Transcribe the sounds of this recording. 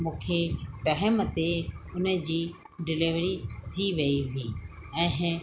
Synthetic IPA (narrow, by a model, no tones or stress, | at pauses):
mũːkʰeʈɐɦəmt̪eʊnəd͡ʑiː | ɖɪlɪʋɾit̪ʰiʋɐiʋiː | ɛ̃ɦ